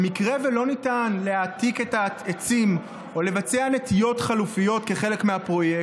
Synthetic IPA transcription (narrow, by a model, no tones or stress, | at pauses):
mikʁevelo̞nitanle̞at̪ike̞taet͡sim | o̞le̞vat͡seane̞tijo̞tχalufijo̞tke̞χe̞le̞kmeapʁo̞je